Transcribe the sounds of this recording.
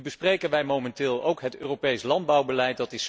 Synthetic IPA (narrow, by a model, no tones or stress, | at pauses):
bəsprejkənʋɛjmomɛntɪːlˠowkɦətøːropejslɑnd̚bɑwbəlɛjt̚dɑtɪs